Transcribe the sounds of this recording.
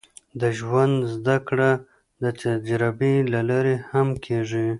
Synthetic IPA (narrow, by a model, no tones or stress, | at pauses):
d̪əʒwand̪zd̪akɽa | d̪ət̪ad͡ʒɾabilalaɾehamkʰeʐi